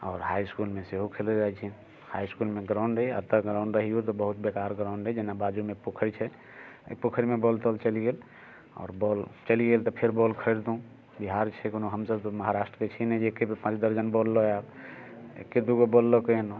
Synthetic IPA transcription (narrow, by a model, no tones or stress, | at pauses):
ɔːɾɦaiskulmeseɦokʰeled͡ʒajt͡ʃʰi | haiskulmeɡɾãʊɳɖɦiaɾt̪əɡɾãʊ̃ɳɖɾəɦiot̪ɔbəɦut̪̚bekaɾɡɾãʊ̃ɳɖɦɛd͡ʒenabad͡ʒumepokʰəɾit͡ʃʰɛ | pokʰəɾimebɔlt̪əlt͡ʃəliɡel | ɔ̰ːɾbɔlt͡ʃəliɡelt̪ɔpʰeɾbɔlkʰəɾd̪uũ | biɦaɾt͡ʃʰɛkonoɦəmsəbməɦaɾasʈɾəket͡ʃʰinɛd͡ʒekːebepãt͡ʃd̪əɾd͡ʒənbɔlːɔɦɛab | ḛkːebʱuɡobolːɔkeno